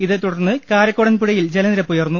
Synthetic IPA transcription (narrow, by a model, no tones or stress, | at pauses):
iðɨt̪ːuɽɐrnːɨkaːɾɐkːoɽɐnpuɽɐjild͡ʑelɐniɾɐpːujɐrnːu